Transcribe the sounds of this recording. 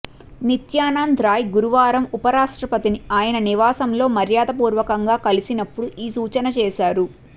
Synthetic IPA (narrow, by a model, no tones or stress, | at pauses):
nit̪jaːnaːnd̪ʱɾaːjɡuɾuʋaːɾɐmupɐɾaːʂʈɾɐpɐt̪iniaːjɐnɐniʋaːsɐmlo̞ːmɐɾjaːd̪ɐpuːɾʋɐkɐŋɡaːkɐlisinɐpːuɽuʔiːsuːt͡ʃɐnɐt͡ʃɛːʃaːɾu